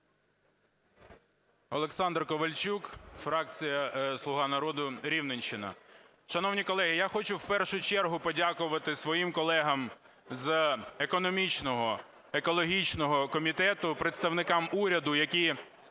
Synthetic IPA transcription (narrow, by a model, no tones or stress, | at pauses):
ɔlˠeksɑnd̪rkɔʋɐlʲt͡ʃukfɾɑk̚t͡sʲijɐslˠʊɦɑnɐɾɔd̪ʊɾʲiwnenʲʃɪnɐ̰ | ʃɐnɔwnʲikɔlˠɛɦɪjaxɔt͡ʃʊwpɛrʃʊt͡ʃɛrɦʊpɔdʲakʊʋɐt̪ɪsʋɔjimkɔlˠɛɦɐm | zekɔnɔmʲit͡ʃnɔɦɔ | ekɔlˠɔɦʲit͡ʃnɔɦɔkɔmʲit̪ɛt̪ʊpɾet̪st̪ɐwnɪkɑmuɾʲɐd̪ʊjɐkʲi